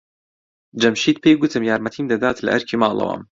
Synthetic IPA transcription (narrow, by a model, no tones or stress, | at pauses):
d͡ʒɐmʃiːd̪̚pʰeːjɡʷʊt̪ʰɨmjaːɾmɐt̪ʰiːmd̪ɐd̪aːt̪lɐ̰ʔɐɾkʰimɑːlˠɐ̰wa̰m